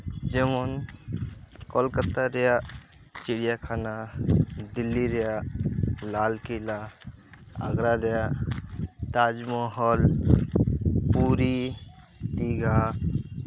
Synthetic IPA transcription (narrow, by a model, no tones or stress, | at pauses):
d͡ʒemɔn | kɔlkət̪aɾɛja | t͡ʃiɽijakʰana | d̪ilːiɾɛja | lalkila | a̰ɡɾaɾɛja | t̪ad͡ʒmɔɦɔl | puɾi | t̪iɡa